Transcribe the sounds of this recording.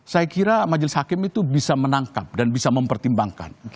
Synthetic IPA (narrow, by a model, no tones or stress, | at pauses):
sajakiɾamad͡ʒɪlɪshakɪmit̪ubisamənaŋkap̚danbisaməmpərt̪imbaŋka̰n